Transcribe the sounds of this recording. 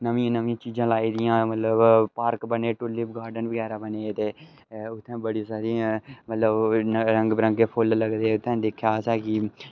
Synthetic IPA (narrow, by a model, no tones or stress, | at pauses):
nəʋĩːãːnəʋĩãːt͡ʃiːzãːlaːiːd̪ɪjãːmət̪ləbpaːɾkbəneːʈʊliːbɡaːɾɖənbəɡɛːɾaːbəneːt̪eː | ʊt̪ʰːẽːbəɽisaːɾiːãmət̪ləbɾəŋɡbɾə̃ŋɡeːpʰʊlləɡd̪eːʊt̪ʰːɛ̃ːd̪ekʰːjaːsɛːkɪ